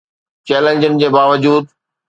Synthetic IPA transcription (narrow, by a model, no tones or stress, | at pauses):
t͡ɕeːlẽnd͡ʑənɪd͡ʑeːbaːʋəd͡ʑuːd̪